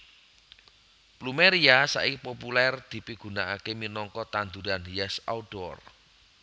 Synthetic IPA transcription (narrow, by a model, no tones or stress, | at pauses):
plumeɾiasa̰ʔipopulɛrd̪̥i̤piɡ̥ṳnaʔakeminɔŋkɔt̪and̪uɾaniɛsa̰uɖ̥ɔr